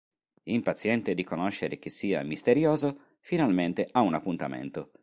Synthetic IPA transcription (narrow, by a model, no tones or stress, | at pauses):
impat̪sjɛnt̪ed̪ikonoʃːeɾek̟esːiːa̰mist̪eɾjoːzo | finalment̪eʔaunapːunt̪amḛnt̪o